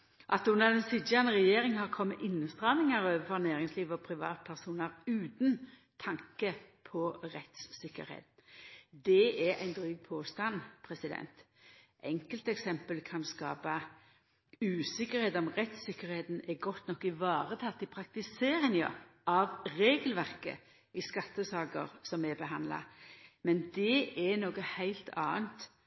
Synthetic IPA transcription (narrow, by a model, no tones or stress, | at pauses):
ʔɑt̪ʉnːəʁd̪ɛnsɪd̪jɑnəʁɛjeːɾɪŋəhɑʁkʰɔmːəʔɪnːəst̪ʁɑʋnɪŋɑɾøːʋəfɔʁnæːɾɪŋsliːʋəɔpʰɾɪʋɑ̰ːt̪̚pʰæʁsuːnəɾʉːt̪n | t̪ʰɑŋkəpʰɔʁɛt̪ssɪkːə̰ɾhḛːt̪nd̪ɛɛɾæ̰ɪnd̪ʁyːɡ̚pʰoːst̪ɑnpʰɾɛsɪd̪ɛ̰nt̪ | ʔɛŋkəlt̪ɛksɛmpəlkʰɑnskɑ̰ːpə | ʉːsɪkːəɾheːt̪d̪ɔmʁɛt̪sɪkəɾheːt̪n̩ɛɡɔt̪nɔkːɪʋɑːʁət̪ʰɑt̪ɪpʰɾɑk̚t̪ɪseːɾɪŋə̰ɑʋɾeːɡəlʋæʁkə̰ | ɪskɑt̪ːəsɑːkə̰ɾsɔmɛbəɦɑnd̪lɑ̰mɛnd̪ɛʔɛnoːɡəhæɪlt̪ʰɑ̰ːənt̪